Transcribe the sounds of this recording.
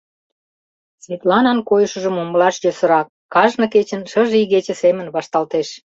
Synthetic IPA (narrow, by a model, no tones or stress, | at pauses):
svʲet̪lɑnɑnkojəʃə̆ʒə̆moməlɑʃjøsə̆ɾɑkːɑʒnɤ̆ket͡ɕənʃəʒiɣet͡ɕə̆semə̆nβɑʃt̪ɑlt̪eʃ